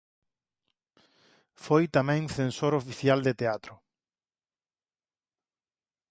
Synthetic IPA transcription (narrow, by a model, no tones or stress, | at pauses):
fojt̪amɛ̃ŋθẽnsoɾofiθjald̪et̪eat̪ɾʊ